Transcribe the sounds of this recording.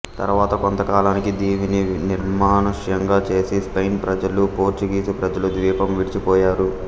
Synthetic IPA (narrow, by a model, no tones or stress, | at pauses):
t̪ɐ̰ɾʋaːt̪ɐkont̪ɐkaːlaːnikid̪iːʋininiɾmaːnuʂjɐŋɡaːt͡ʃe̞ːsispɐjnpɾɐd͡ʒɐlupo̞ːɾt͡ʃiɡiːsipɾɐd͡ʒɐlud̪ʋiːpɐmʋiɽit͡ʃipɔːjaːɾu